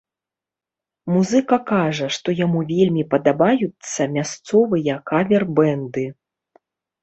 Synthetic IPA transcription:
muzɨkɐkaʐɐʂt̪ɔjamuvʲelʲmʲipɐd̪abajut̪sːɐmʲast̪sɔvɨjɐkavʲɛrbɛnd̪ɨ

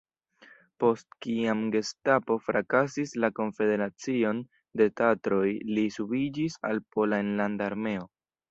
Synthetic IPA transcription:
po̞stkiamɡe̞stapo̞fɾakasislako̞ɱfe̞de̞ɾat͡sio̞n | de̞tatɾo̞jlisubid͡ʒisa̰lpo̞laenlandaːɾme̞o̞

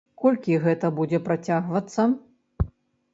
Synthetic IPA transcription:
kɔlʲkʲiɣɛt̪ɐbud͡zʲɛpɾat͡sʲaɣvɐt̪sːɐ

